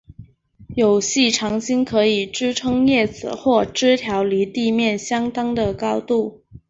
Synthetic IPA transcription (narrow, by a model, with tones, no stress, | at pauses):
jo˨˩ʊɕi˥˩ʈ͡ʂʰɑ˧˥ŋɕi˥ŋkʰɤ˧˥i˨˩ʈ͡ʂɻ̩˥ʈ͡ʂʰɤ˥ŋjɛ˥˩t͡sɹ̩̰˨˩xwɔ˥˩ʈ͡ʂɻ̩˥t̪ʰjɑ˧˥ʊli˧˥t̪i˥˧mjɛ˥˩nɕjɑ˥ŋt̪ɑ˥ŋd̪ə˨kɑ˥ʊt̪u˥˩